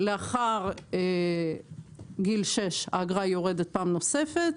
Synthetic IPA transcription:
leaχaʁe | ɡilʃe̞ʃa̰ɡʁajoʁedet̪̚paːmno̞se̞fet̪

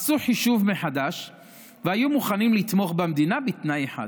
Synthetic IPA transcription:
asuħiʃuvmeħad̪aʃ | veajumuχanimlit̪mo̞χbamd̪inabit̪najeħa̰d̪

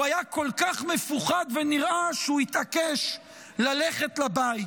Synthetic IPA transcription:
ajako̞lkaχme̞fuχad̪veniʁʔaʃeuit̪akeʃ | laleχet̪labait

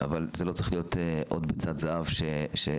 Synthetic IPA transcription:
ʔa̰valzelot͡sʁi̥χlijo̞teʔod̪bet͡sad̪zaʔavʃeʃe

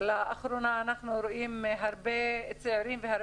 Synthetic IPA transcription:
laʔaχɾunaːnaχnuɾoʔimɦaɾbet͡seʕiɾimvehaɾ

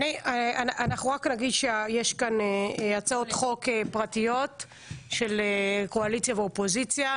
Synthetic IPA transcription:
aniaanʔanaχuʁaknaɡid̪ʃeajeʃkanejat͡saotχo̞kepʁatijo̞t | ʃe̞leko̞alit͡sjaveopozit͡sja

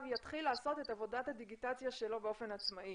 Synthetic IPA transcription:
vjat̪χilːaːso̞te̞tavo̞dathad̪iɡitat͡sjaʃe̞lo̞beo̞fe̞nat͡smaʔi

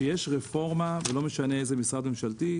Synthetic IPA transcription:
ejeʃʁefo̞ʁmavelo̞me̞ʃaneezemisʁad̪me̞mʃalt̪i

